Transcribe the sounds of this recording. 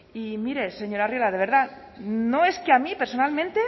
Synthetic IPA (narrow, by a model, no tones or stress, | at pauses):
imiɾe̞se̞ɲo̞ɾarjelað̞e̞β̞e̞ɾð̞a | no̞e̞skeamipeɾso̞nalmẽ̞nt̪e̞